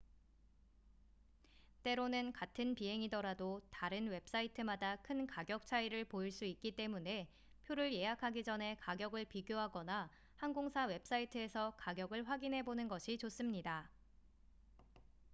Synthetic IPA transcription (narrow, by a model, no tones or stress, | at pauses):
t͈e̞ɾonɯnkatʰɯnpiɦe̞ŋidʌɾadotaɾɯnwe̞p̚s͈aitʰɯmadakʰɯnkaɡjʌk̚t͡ɕʰaiɾɯɭpoiɭs͈uik̚k͈it͈e̞mune̞ | pʰjoɾɯɭje̞ɦakʰaɡid͡ʑʌnɦe̞kaɡjʌɡɯɭpiɡjoɦaɡʌna | hanɡoŋsʰawe̞p̚s͈aitʰɯe̞sʰʌkaɡjʌɡɯɭɸwaɡinɦe̞bonɯnɡʌɕʰit͡ɕos͈ɯmɲida